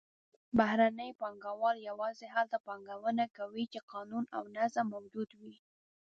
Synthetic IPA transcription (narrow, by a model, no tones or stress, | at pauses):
bahɾanəjpɑŋɡawɑljawɑzeɦalt̪apɑŋɡawənakawit͡ʃeqɑnuna̰wnazamːawd͡ʒud̪wi